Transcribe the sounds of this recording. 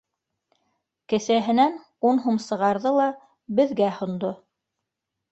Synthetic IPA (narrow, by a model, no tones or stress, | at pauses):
kɘ̆sæɦɘ̆næn | unɦumsɤ̆ʁɑɾðɤlˠɑ | bɘ̆ðɡæhŏnd̪o